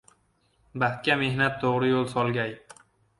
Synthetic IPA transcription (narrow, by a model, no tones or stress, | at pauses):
baht̪̚kʲame̞hnat̪ʰːoʁɾɪjolˠsɒlˠɡʲaj